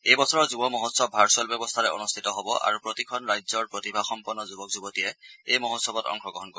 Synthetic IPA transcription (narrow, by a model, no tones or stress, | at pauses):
ejbɔsʰɔɹɔzubɔmɔɦɔtsɔbbʱaɹsɔlbjɔbɔst̪ʰaɹɛo̰nust̪ʰitɔɦɔbɔʔa̰ɹupɹotikʰɔnɹajzɔɹpɹotibʱaxɔmpɔnːɔzubɔk̚zubɔtijɛejmɔɦotsɔbɔtɔ̰ŋxɔɡɹɔɦɔnko